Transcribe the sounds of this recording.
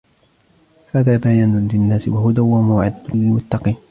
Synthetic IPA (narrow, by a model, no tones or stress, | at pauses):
haːðaːbajaːnʊnlɪnːaːsɪwahʊd̪awamawʕɪ̰d̪alɪlmʊt̪ːɑqiːn